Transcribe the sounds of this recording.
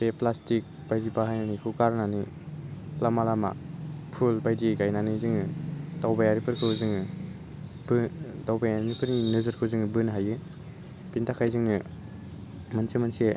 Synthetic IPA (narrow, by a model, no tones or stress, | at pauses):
seplastik̚b̥ajɾipahajnanikʰɯkaɾnani | lamalama̰pʰulbajdikajnanizɯŋɯtawbajaɾipʰɯɾkʰɯwzɯŋɯ | bɯtawbajanipʰɯɾŋinɯzɯɾkʰɯwzɯŋɯbɯnɦajɯ | bintʰakʰajzɯŋɯ | mɯnsemɯnse